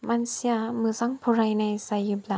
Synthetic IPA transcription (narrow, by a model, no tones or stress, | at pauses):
mansiamɯzaŋpʰɔɾajnajsajɯbla